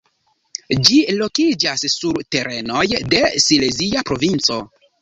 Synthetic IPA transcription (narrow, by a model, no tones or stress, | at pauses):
d͡ʒilo̞kid͡ʒasːuɾte̞ɾe̞nojde̞sileziapɾo̞vint͡so̞